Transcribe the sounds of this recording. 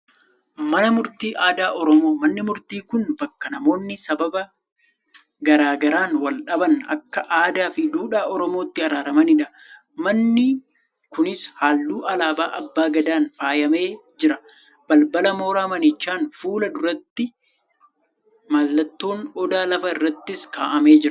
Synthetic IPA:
mɐnɐmʊɾt̪iːʔaːd̪aːʔɔɾɔmo̞ːmɐnːɪmʊɾt̪iːkʊnbɐkːɐnɐmo̞ːnːɪsɐbɐbɐ | ɡɐɾaːɡɐɾaːnwɐlᶑɐbɐnɐ̰kːɐʔaːd̪aːfɪd̪uːᶑaːɔɾɔmo̞ːt̪ːɪɐɾaːɾɐmɐnɪᶑɐ | mɐnːɪ | kʊnɪshaːlːuːʔɐlaːbaːʔɐbːaːɡɐd̪aːnfaːjɐme̞ːd͡ʒɪɾɐ | b̥ɐlbɐlɐmo̞ːɾaːmɐnɪt͡ʃːaːnfuːlɐd̪ʊɾɐt̪ːɪ | malːɐt̪ːo̞ːnɔd̪aːlɐfɐɪrːɐt̪ːɪskaːʔɐme̞ːd͡ʒɪɾɐ

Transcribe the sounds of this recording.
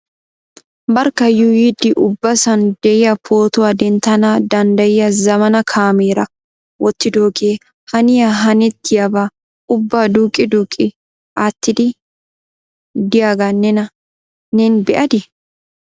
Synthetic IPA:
bɐɾkːɐjujɪd̪ɪʔʊbːɐsɐnd̪̥ɛjɪjɐpʰoːt̪ʊwaːd̪ɛnt̪ːɐnaːd̪ɐnd̪ɐjɪjɐzɐmɐnɐkʰaːmeːɾɐ | wɔt̪ːɪd̪oːkeː | hɐnɪjɐɦɐnɛt̪ːɪjɐba | ʊbːaːd̪uːkʼːɪd̪uːkʼːɪ | ʔaːt̪ːɪd̪ɪ | d̪ɪjaːɡɐnɛnɐ | nɛnbɛʔɐd̪ɪ

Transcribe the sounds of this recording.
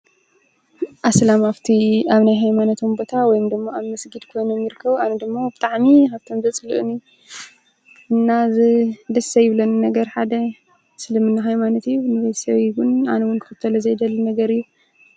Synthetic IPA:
ʔaslamaβt̪ʰiaβnajɦajmanot̪ʰombo̞t̪ʰawɔjmd̪ɨmːaaβmɨsɡɨd̪kʰo̞jnomjɪɾɨkʰːɐβanɐd̪ɨmːabɨt̪ʼaʕmihaβt̪ʰo̞mzɐt͡sʼɨlɨ̰ʔɨni | ɨnːazɨd̪ɐsɐjɪβlonnɐɡɐɾħad̪ɐ | sɨlɨmɨnːaɦajmanɐt̪ɨjːunɨzɐsawiwʊna̰nɐwʊnkʰɨ̥xɨt̪ʰːɐlɐzɐjd̪ɐlːnɐɡɐɾɨjːu

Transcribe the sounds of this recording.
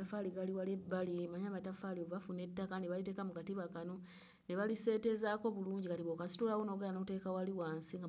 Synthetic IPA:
afaliɡaliwalebːalimaɲaβatafalioββafune̞tːakaneβalite̞ːkamukatiβakano | neβalise̞ːte̞zako̞βuluːɲɟikatiβokasi̥tulawonoɡelanoute̞ːkawaliwaːnsiŋɡa

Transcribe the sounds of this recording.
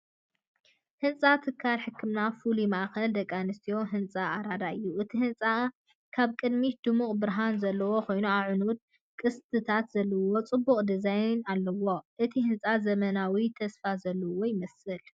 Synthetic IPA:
hɨnt͡sʼat̪ʰɨkʰːalħɨkʰːɨmnafulimaʔxɐld̪ɐkʼːanɨst̪ʰijo̞ɦɨnt͡sʼaaɾad̪aɨjːuʔɨt̪ʰihɨnt͡sʼa | kʰaβkʼɨd̪mid̪̥ɨmukʼbɨɾɦanzɐlːɐwo̞kʰo̞jnuaʕɨnud̪̚ | kʼɨst̪ʰɨt̪ʰat̪z̥ɐlːɐwo̞t͡sʼɨbːuχʼd̪ɨzajnalːɐwo̞ʔɨt̪ʰihɨnt͡sʼazɐmɐnawit̪ʰɐsfazɐlːɐwojɪmɐsɨl

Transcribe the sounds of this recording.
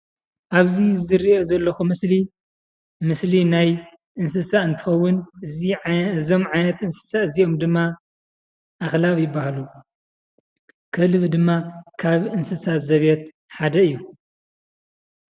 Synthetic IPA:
ʔaβzizɨɾiʔo̞zɐlːɐxumɨsli | mɨslinaj | ʔɨnsɨsaɨnt̪ʰɨ̥xɐwːʊnɨiɨzo̞mʕajnɐt̪ɨnsɨ̥saɨzio̞md̪ɨmːa | ʔaxlaβjɪbːahlu | kʰɐlɨβd̪ɨmːakʰaβɨnsɨsat̪zɐβjet̪ | ħad̪ɐɨjːu

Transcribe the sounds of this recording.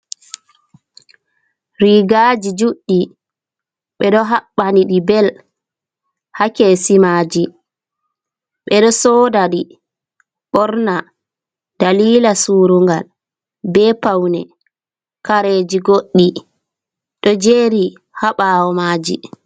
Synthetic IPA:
ɾiɡad͡ʒid͡ʒuɗːi | ɓɛɗɔɦaɓːaniɗibɛl | hakɛsimaːd͡ʒi | ɓɛɗɔsɔːdaɗi | ɓɔɾna | d̥aliːlasuːɾuŋɡal | bɛpawnɛ | kaɾed͡ʒiɡoɗːi | ɗɔd͡ʒeɾi | haɓawɔmaːd͡ʒḭ

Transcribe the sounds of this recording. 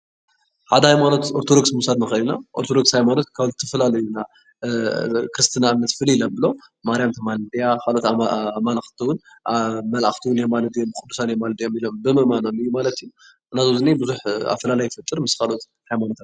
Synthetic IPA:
ħad̪ɐhajmano̞t̪oɾt̪ʰod̪o̞ksmusad̪nɨxɐlinaʔo̞̰ɾt̪ʰod̪o̞kshajmano̞t̪̚kʰaβzɨt̪ʰɐfɐlalɐjuna | kɾɨst̪ʰɨnaamnɐt̪fɨlilɐbɨlo̞ | maɾijamt̪ʰɨmald̪ijakalo̞t̪malaxt̪ʰiwʊn | mɐlʔaxt̪ʰiwunijemalɐt̪ijombkʼud̪ːu̥sanjomalɐt̪ijo̞milo̞mbɨmɨʔmanomɨjːumalɐt̪iju | nazozɨnibɨzuħa̰fɐlalajːfɨt̪ʼːɨɾmɨskalo̞t̪ | hajmanot̪a

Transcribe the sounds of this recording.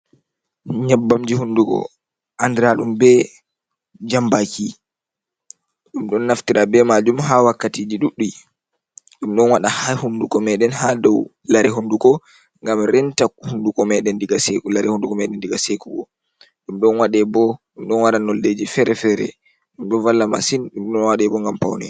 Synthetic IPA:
ɲabːamd͡ʒihundukɔ̰ | ʔandɛɾaɗumbɛ | d͡ʒambaki | ɗumɗɔnːaftiɾabɛmad͡ʒumɦawakːatid͡ʒiɗuɗːuj | ɗumɗɔnwaɗahahundukɔmɛɗɛnhadɔw | laɾɛɦundukɔ | ŋɡamɾɛntakhundukɔmɛɗɛndiɡasekulaɾɛhundukɔmɛɗɛndiɡasekuɓɔ̰ | ɗumɗɔnwaɗɛbɔɗumɗɔnwaɗanɔlːed͡ʒifɛɾɛfɛɾɛ̰ | ɗumɗɔnvalːama̰sinɗumɗɔnwaɗɛbɔŋɡampa̰wnɛ̰

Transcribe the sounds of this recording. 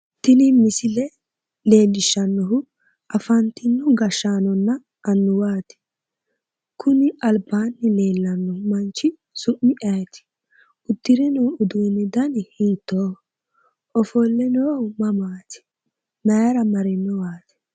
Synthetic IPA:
t̪ɪnɪmɪsɪlɛ | le̞ːlːɪʃːɐnːɔɦʊ | ɐfɐnt̪ɪnːɔɡɐʃːaːnɔnːɐ | ʔɐnːʊwaːt̪ɪ̥ | kʊnɪʔɐlbaːnːɪle̞ːlːɐnːɔhmɐnt͡ʃːɪ | sʊmːɪʔɐjt̪ɪ̥ | ʊt̪ːɪɾɛnɔːʊd̪uːnːɪd̪ɐnhɪːt̪ːoː | ʔɔfɔlːɛnoːmɐmaːt̪ɪ̥ | mɐjɾɐmɐɾɪnːɔwaːt̪ɪ̥

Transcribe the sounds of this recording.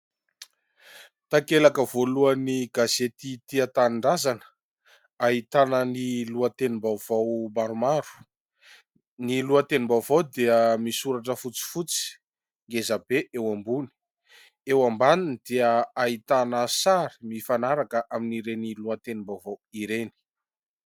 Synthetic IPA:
t̪akelakəvoluəniɡazet̪it̪iat̪anɳɖ͡ʐazanə̥ | aɦit̪anəniluət̪enimbawv̥awmaɾumaɾu̥ | niluət̪enimbawvawd̪eəmisuɾaʈ͡ʂəfut͡si̥fut͡si̥ | ŋɡezabeʔewambuni̥ | ewambaninid̪̥eəait̪anəsaɾimifanaɾakəʔaminiɾeniluət̪enimbawvawiɾeni̥

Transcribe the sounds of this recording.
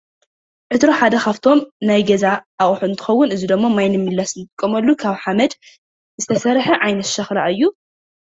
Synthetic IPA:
ʕɨt̪ɾo̞ħad̪ɐxaft̪ʰo̞mnajɡɐzaʔːʔʼħuɨnt̪ʰɨ̥xɐwːʊnɨzid̪ɐmːamajnɨmːɨlːasnt̪ʼɨkʼːɐmɐlːukʰaβħamɐd̪ | zɨt̪ʰɐsɐɾħɐʕajnɐt̪ʃɐxlaʔɨjːu

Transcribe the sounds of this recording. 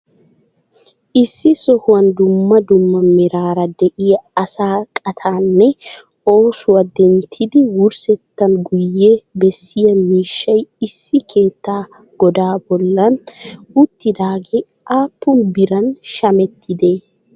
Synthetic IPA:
ʔɪsːɪsɔhʊwɐnd̪ʊmːɐd̪ʊmːɐmɛɾaːɾɐd̪ɛʔɪjɐɐsaːkʼɐt̪ʰaːnːɛ | oːsʊwɐd̪ɛnt̪ʰɪd̪ɪwʊɾsɛt̪ːɐnɡʊjːeːbɛsːɪjɐnmiːʃːɐjɪsːɪkʰe̞ːt̪ːaː | ɡ̥ɔd̪aːbɔlːɐnʊt̪ːɪd̪aːɡe | ʔaːpːʊnbɪɾɐnʃɐmɛt̪ʰːɪd̪e̞ː

